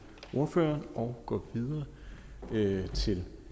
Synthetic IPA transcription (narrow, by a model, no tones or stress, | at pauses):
o̝ɐfø̰ːɐnʔɒʊɡ̥ɒ̰ʋiðˠɐː | t͡sʰe̝l